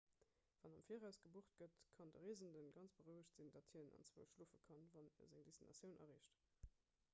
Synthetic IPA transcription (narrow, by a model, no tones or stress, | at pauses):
v̥ɑnɑmfiːəʁæʊsɡ̥əbuəχt̚ɡ̥ətkʰɑndəʁiəzəndənɡɑnt͡sb̥əʁəʊəɕtz̥indɑtʰhiənɑ̰nt͡swəʊʃluːfəkʰɑnvɑniə̰zɪŋdisinɑ̰sjəʊnʔɐ̰ʁiːɕt